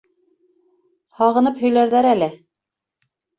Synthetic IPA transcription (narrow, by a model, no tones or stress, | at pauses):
hɑʁɤ̆nɤphɵ̆jlæɾðæɾælɘ